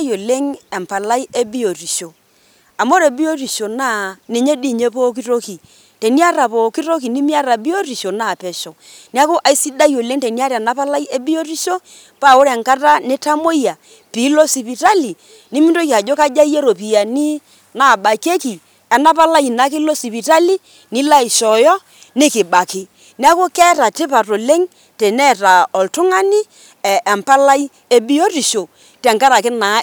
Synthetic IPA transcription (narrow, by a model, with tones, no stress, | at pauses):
jo˨le˦ŋɛ˨mpa˨la˦i˦e˦bi˦o˨ti˨ʃo˨ | a˨mo˦ɾe˨bi˦o˦ɾi˨ʃo˨na˦˨ni˨ɲe˦di˦˨ɲe˦po˦k̬i˦to˦ki˨ | te˨ni˦a˦ɾa˨po˨ki˦to˦k̬i˨ni˦mi˦a˦ɾa˨bi˦o˦ɾi˨ʃo˨na˦˨pɛ˨ʃo˨ | ni˦a˦kʊ˦ʔa˨i˦si˦da˦jo˨le˦ŋte˨ni˦a˦ɾa˨na˦pa˦la˦je˦bi˦jo˦ɾi˦ʃo˦ | pa˦˨o˦ɾɛ˨ŋka˦ta˦ne˦ta˦mo˦ja˨ | pi˨˦lo˦si˨pi˨ta˦li˨ | nɪ˦mɪ˦nto˦ki˨a˨d͡ʒo˦ka˦d͡ʒa˦je˦ɾo˨pi˨ja˨ni˦ | na˨ba˨ke˦ki˨ | ɛ˨na˦pa˦la˦jna˨˦kɪ˦lo˦si˨pi˨ta˦li˦ | nɪ˦la˦i˨ʃɔ˨jɔ˦ | nɪ˦kɪ˨ba˨kɪ˨ | ni˦a˦ko˦kɛ˦ta˨tɪ˦pa˨to˨le˦ŋ | tɛ˨nɛ˦˨ta˨ɔ˨ltʊ˦ŋa˦nɪ˦ | ɛ˨ɛ˨mpa˦la˦j | e˦bi˦jo˦ti˨ʃo˨ | tɛ˨ŋka˦ɾa˨kɪ˦na˨˦